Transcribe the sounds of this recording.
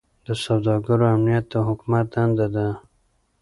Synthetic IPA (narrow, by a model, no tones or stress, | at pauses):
d̪əsawd̪ɑɡaɾoamnijat̪̚ːəɦʊkmat̪̚d̪and̪ad̪a